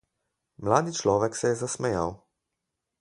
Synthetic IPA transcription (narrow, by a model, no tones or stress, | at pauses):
mlaːd̪it͡ʃlɔːʋɛksɛjɛzasmɛja̰w